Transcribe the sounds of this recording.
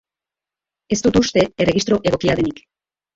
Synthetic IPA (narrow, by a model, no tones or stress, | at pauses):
e̞st̪ut̪ust̪e̞ere̞ɣist̪ɾo̞ʔe̞ɣ̞o̞kiaðenik